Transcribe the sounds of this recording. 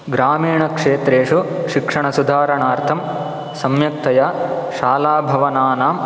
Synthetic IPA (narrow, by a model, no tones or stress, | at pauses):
ɡɾaːmiːɳɐkʂeːt̪ɾeːʂuʃikʂɐɳɐsud̪ʱaːɾɐɳaːɾt̪ʰɐm | sɐmjɐk̚t̪ɐjaːʃaːlaːbʱɐʋɐnaːnaːm